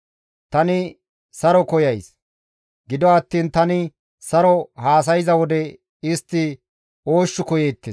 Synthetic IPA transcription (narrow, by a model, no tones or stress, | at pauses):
t̪ɐnɪ | sɐɾɔkɔjɐjs | ɡɪd̪ɔɐt̪ːiːnt̪ɐnɪ | sɐɾɔhaːs̬ɐjɪzɐwɔd̪ɛ | ɪst̪ːɪ | o̞ːʃːʊkɔjeːt̪ːɪs